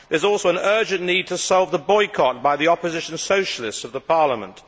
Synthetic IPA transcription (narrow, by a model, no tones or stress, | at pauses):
ðə˞zɔˑlˠsoʊə̃nɜ˞d͡ʒɨ̃nniːd̚tʰəsɔlˠvðəbɔɪkʰɑt̚b̥aɪðiɒpəzɪʃn̩soʊʃəlɪstsʌvðəpʰɑɹləmə̰̃nt